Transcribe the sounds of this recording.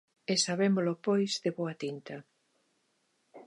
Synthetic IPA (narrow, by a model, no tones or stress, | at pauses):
esaβemolopojzðeβoɐt̪int̪ɐ